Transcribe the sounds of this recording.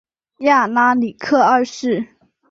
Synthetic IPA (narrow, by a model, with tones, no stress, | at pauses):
ja˥˩la˥li˨˩kʰɤ˥˧ə˥˧ʂɻ̩˥˩